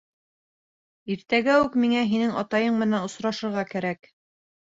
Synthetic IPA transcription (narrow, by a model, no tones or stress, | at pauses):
iɾt̪æɡæʉkmiŋæɦinɘŋɑt̪ɑjɤɴmɘ̆nænŏsɾɑʃɤ̆ɾʁɑkæɾæk